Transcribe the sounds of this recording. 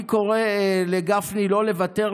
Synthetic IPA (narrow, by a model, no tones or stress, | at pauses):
ko̞ʁeleɡafnilo̞le̞vate̞ʁ